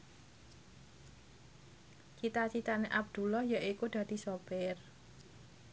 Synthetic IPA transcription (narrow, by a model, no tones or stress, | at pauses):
t͡ʃit̪at͡ʃit̪aneʔab̚d̪̥ṳlɔhjaʔikud̪̥ä̤d̪̥i̤sɔb̥ɛr